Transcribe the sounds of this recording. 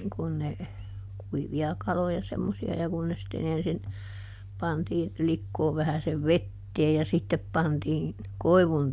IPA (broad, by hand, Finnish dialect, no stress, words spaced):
kun ne kuiʋiɑ kɑlojɑ semːosiɑ jɑ kun ne sitːen ensin pɑntiːn likːoːʋ ʋæhæseʋ ʋetːeːj jɑ sitːep pɑntiː koi̯ʋun